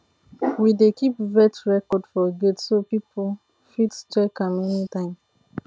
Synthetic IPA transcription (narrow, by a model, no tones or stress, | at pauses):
widekipvɛtɹɛkɔdfɔɡetsopipol | fittɛkãmɛnitãɪ̃m